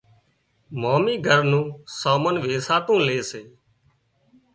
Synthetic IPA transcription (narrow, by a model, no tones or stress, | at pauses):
maːmiːɡʱəɾnũːsaːmənʋeːsaːt̪ũːleːseː